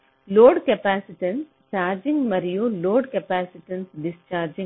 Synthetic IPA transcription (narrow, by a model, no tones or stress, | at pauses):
loːɖkɐpaːsiʈɐns | t͡ʃaːɾd͡ʒiŋɡmɐɾijuloːɖkɐpaːsiʈɐnsɖɪst͡ʃaːɾd͡ʒĩŋ